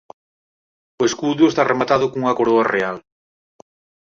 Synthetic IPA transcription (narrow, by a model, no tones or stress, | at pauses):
ʊeskuðʊest̪aremat̪aðʊkoŋuŋɐkoɾoareal